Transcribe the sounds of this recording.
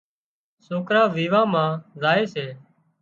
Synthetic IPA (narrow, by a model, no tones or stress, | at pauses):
soːkɾaːʋiːʋãːmãːzaːeːseː